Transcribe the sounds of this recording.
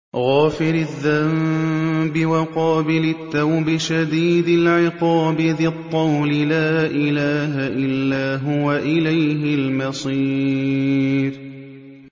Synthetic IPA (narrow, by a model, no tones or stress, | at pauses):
ɣaːfɪɾɪðːam | bɪwaqɑːbɪlɪt̪ːawbɪʃad̪iːd̪ɪlʕɪqɑːbɪðɪt̪ˤːɑwlɪlaːʔɪlaːɦaʔɪlːaːɦʊwaʔɪlajɦɪlmɑsˤiː | ɾ